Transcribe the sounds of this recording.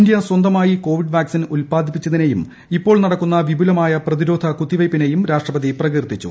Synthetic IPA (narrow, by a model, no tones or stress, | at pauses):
nd̪jɐswɐnd̪ɐmaːjiko̞ːʋiɖʋaːksinulpaːd̪ʱipːit͡ɕːɐðine̞jum | ipːo̞ːɭnɐɽɐkːunːɐʋibʱulɐmaːjɐprɐðiɾo̞ːd̪ʱɐkut̪ːiʋɐjpːine̞jumɾaːʂʈrɐpɐd̪iprɐɣirt̪ːit͡ɕːṵ